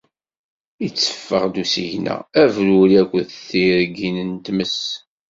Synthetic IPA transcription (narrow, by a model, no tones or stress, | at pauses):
it͡sːə̥fːəʁd̪usijnæ̰ævɾuɾiækʷːəðθiɾɡinənt̪məs